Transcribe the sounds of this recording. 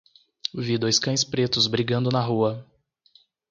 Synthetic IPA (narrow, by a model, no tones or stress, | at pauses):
vid̪ojskɐ̃j̃spɾet̪ʊzbɾiɡɐ̃nd̪ʊnɐɦuɐ